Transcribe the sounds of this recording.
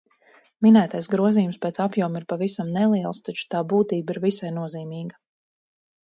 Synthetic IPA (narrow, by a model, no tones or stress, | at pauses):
minæːt̪ajsɡɾuɔziːjumspɛːt̪sapjuɔmiɾpavisamnɛlˠiɛlˠst̪at͡ʃu̥t̪aːbuːt̪iːbiɾvisajnuɔziːmiːɡɐ